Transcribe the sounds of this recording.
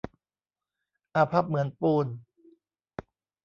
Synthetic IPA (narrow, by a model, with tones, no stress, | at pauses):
ʔa˧pʰa˦˥˩p̚mɯ˩˦ənpuː˧n